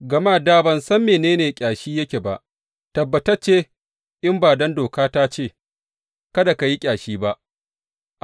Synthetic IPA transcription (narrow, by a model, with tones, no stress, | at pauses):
ɡɐ˨maː˦˨daː˦˨bɐ˨nsɐ˦mːeː˨neː˦neː˨kʲʼaː˨ʃiː˦jɐ˦kʲe˨ba̰˨ʔ | tɐ˨bːɐ˨tɐ˦t͡ʃeː˦ | ʔɪ˦mbaː˨dɐ˦ndoː˨kaː˦taː˦t͡ʃeː˦˨ | kɐ˦da˨ka˨ji˦kʲʼaː˨ʃiː˦ba˦ʔ | ʔ